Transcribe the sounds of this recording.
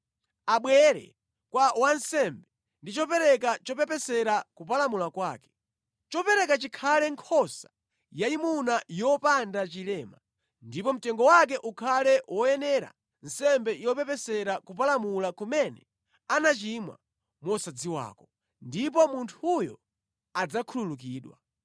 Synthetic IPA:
aɓwɛɾɛ̰ | kwawansɛmbɛ | ndit͡ʃɔpɛɾɛkat͡ʃɔpɛpɛsɛɾakup̬alamulakwaːkɛ̥ | t͡ʃɔpɛɾɛkat͡ʃikʰalɛŋkʰɔsḁ | jaimunajɔpandat͡ʃilɛːma | ndipɔm̩tɛŋɡɔwak̬ɛʔukʰalɛwɔjɛnɛɾa̰ | n̩sɛmbɛjɔpɛpɛsɛɾakup̬alamulakumɛnɛ | anat͡ʃimwa̰ | mwɔsad͡ziwa̰ːkɔ | ndip̬ɔmuntʰujɔ̰ | ad͡zakʰululuk̬iːɗwa̰

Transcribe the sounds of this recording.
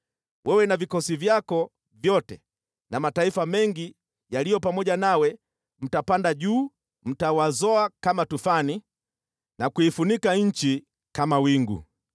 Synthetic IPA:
wʔɛwɛnavikɔsivjakɔ | vjɔtɛ | namataifamɛŋɡi | jalijɔpamɔʄanawɛ | m̩tapandaʄuː | m̩tawazɔakamatufani | nakuifunikaɲ̩t͡ʃi | kamawiŋɡṵ

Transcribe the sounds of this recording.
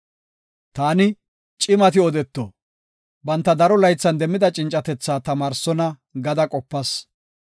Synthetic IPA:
t̪aːnɪ | t͡ʃʼɪmɐt̪ɪɔd̪ɛt̪ːɔ | bɐnt̪ːɐd̪ɐɾɔlɐjt͡sːɐnd̪ɛmːɪd̪ɐt͡ʃʼɪnt͡ʃʼːɐt̪ɛt͡sːaːt̪ɐmaːɾsɔnɐ | ɡɐd̪ɐkʼɔpːɐs

